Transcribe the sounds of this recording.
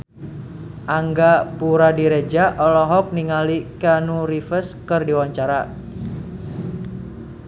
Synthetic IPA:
ʔaŋɡapuɾadiɾed͡ʒaʔɔlɔɦɔk̚niŋalikanuɾifəskərdiwaɲt͡ʃaɾa

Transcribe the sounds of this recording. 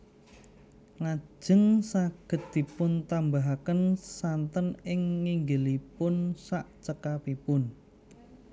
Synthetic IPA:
lḁʒ̥ə̤ŋsaɡ̥ə̤t̪̚d̪̥i̤pʊnt̪ambaɦakənsant̪ənɪŋːiŋɡəlipʊnsaʔt͡ʃəkapipʊn

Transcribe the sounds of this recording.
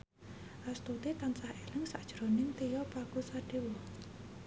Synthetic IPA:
ʔast̪ut̪it̪ansahelɪŋsaʔd̥ʒ̥ɾonɪŋt̪ejɔpakusaɖ̥ewɔ

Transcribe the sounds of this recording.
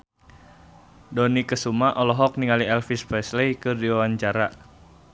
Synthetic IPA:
dɔnikəsumaʔɔlɔɦɔk̚niŋaliɛlfispɛslejkɨrdiwawaɲt͡ʃaɾa

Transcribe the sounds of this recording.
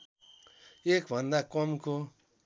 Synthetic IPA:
jekãndakʷomko

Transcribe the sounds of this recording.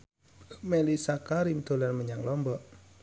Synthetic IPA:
melisakaɾimd̪̥o̤larməɲaŋlɔmbɔʔ

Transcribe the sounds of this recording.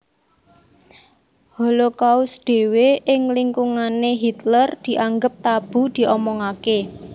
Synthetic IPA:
holokaʊsd̪̥e̤weʔɪŋliŋkuŋaneɦit̪lərd̪̥i̤ʔaŋɡəp̚t̪ab̥ṳd̪̥i̤ʔɔmɔŋake

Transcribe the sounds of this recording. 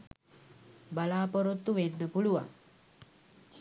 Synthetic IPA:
balaːpoɾot̪ːuʋenːəpuluʋa̰ŋ

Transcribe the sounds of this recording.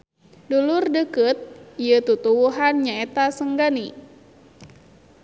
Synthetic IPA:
dulurdəkət̪̚ijət̪ut̪uwuɦanɲaet̪asəŋɡani

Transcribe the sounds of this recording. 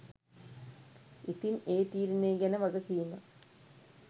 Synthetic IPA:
it̪ineːt̪iːɾineːɡɐnɐʋɐɡɐkijunɐ

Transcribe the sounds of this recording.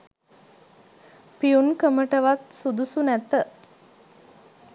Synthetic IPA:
piunkəməʈəʋat̪sud̪usunæt̪ə

